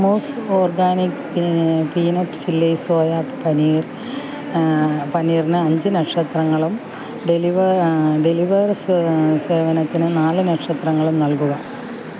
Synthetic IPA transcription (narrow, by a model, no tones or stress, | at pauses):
moːsoːrɡaːnik | piːnoʈːɨ̥t͡ɕilːejsoːjaːppɐniːr | pɐniːrinɨɐɲd͡ʑɨnɐkʂɐt̪rɐŋːɐɭum | ɖeliʋɐɖeliʋɐrsseːʋɐnɐt̪ːinɨnaːlɨnɐkʂɐt̪rɐŋːɐɭumnɐlkuɣɐ